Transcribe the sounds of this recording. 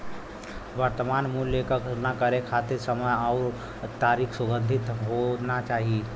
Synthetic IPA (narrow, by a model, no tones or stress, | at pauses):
ʋəɾt̪əmanmulːekəknakəɾekʰat̪iɾsəməjaʊɾ | t̪aɾikʰsuɡə̃nd̪ʱit̪ɦonat͡ʃaːɦi